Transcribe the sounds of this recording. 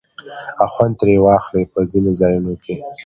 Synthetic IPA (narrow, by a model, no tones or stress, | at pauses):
axwant̪ɾewɑxlepəzinozɑjunokʰe